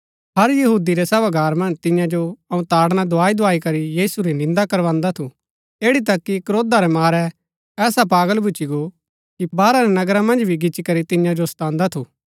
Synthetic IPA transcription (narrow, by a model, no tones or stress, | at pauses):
ɦɐɾjɐɦuːd̪iɾɛsɐbaɡaːɾmɐ̃nd͡ʒt̪ɪ̃jãd͡ʒoɐũt̪aːɽnad̪ʊaːid̪ʊaːikɐɾijiːsuɾinɪ̃nd̪akɐɾʋãːnd̪at̪ʰu | eːɽit̪ɐkːikɾoːd̪aɾɛmaːɾɛ | ɛːsap̬aːɡəlbʱʊt͡ʃiɡo | kibaːɾaɾɛnɐɡɾamɐ̃nd͡ʒbʱiɡɪt͡ʃikɐɾit̪ɪ̃jãd͡ʒost̪ãːnd̪at̪ʰuː